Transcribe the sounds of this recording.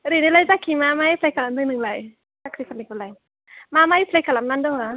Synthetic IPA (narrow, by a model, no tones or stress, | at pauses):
ɾinilajzakʰːimamajipʰlajkalamd̪ɯŋnɯŋlaj | sakɾikʰanikulaj | mamajpʰlajkalamnandɯŋa